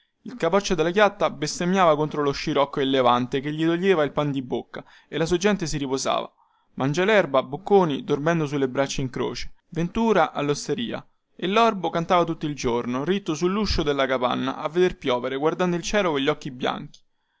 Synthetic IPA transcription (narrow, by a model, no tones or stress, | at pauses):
ilkapɔt͡ʃːod̪elːakjat̪ːabest̪emjaːvakont̪ɾoloʃːiɾɔkːoelːevant̪ekeʎːid̪oʎːeːvailpand̪ibokːa | elːasuad͡ʒɛnt̪esiɾipoza̰ːva̰ | mand͡ʒalɛrbabokːoːnid̪ormɛnd̪os̬ulːebɾat͡ʃːaiŋkɾo̰ːt͡ʃe̥vent̪uːɾaʔa̰lːost̪eɾiːa̰ | elːɔrbokant̪aːvat̪ut̪ːoild͡ʒornorit̪ːosulːuʃːod̪elːakapa̰nːa̰ʔavːed̪erpjɔːveɾeɡward̪and̪oilt͡ʃɛːlokoʎːɔkːibja̰ŋk̟i̥